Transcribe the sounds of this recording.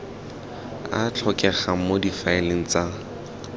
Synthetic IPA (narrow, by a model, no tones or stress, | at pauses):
a̰t͡ɬʰɔkʼɛχamodifaɪleŋ̩t͡sa